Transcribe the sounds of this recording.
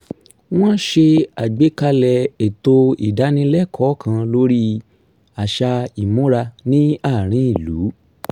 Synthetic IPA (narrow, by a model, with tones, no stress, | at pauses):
w̃ɔ̃˦ʃe˧a˨ɡ͡be˨˦ka˧lɛ˧˨e˨to˧ḭ˨da˨˦nĩ˦lɛ˦˨kʰɔ˨˦kʰã˧lo˦ɾi˦ | a˨ʃa˧i˨mũ˨˦ɾa˧nĩ˦a˦˨ɾ̃ĩ˨˦i˦˨lu˨˦